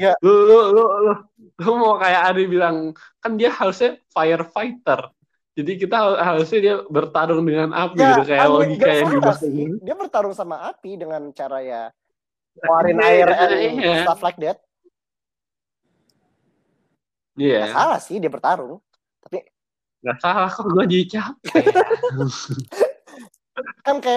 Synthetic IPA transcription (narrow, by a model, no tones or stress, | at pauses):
ɡaolololo | lmakajaʔaɾibilaŋ | kandiahaɾʊsɲafajərfait̪ər | d͡ʒadik̬it̪aɦhaɾʊsɲadiabərt̪aɾʊŋdəŋanʔa̰piɡit̪ukajaloɡikajaŋdibasidiabərt̪aɾʊŋsamaapidəŋant͡ʃaɾaja | oaɾɪnaɪrɛijat̪aflak̚dɛt̪̚ | ijahalasɪhdiabərt̪aɾʊŋ | t̪api | ɡasalakaɡuadit͡ʃap̚ | kankaja